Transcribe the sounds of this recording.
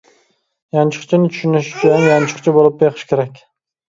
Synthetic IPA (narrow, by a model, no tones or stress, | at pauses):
jant͡ʃʰɨ̥qt͡ʃʰɪnɪt̪ʰʊ̥ʃʊnɪʃt͡ʃʊjanjant͡ʃʰɨ̥qt͡ʃʰɪbolˠɪp̚bjeqʰɨ̥ʃkʲʰeɾakʲ